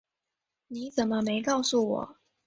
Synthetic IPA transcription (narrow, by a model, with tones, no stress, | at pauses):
ni˨˦t͡sə˨˩nmə˦me˧˥ɪkɑ˥˧ʊsu˥˩wɔ̰˨˩˦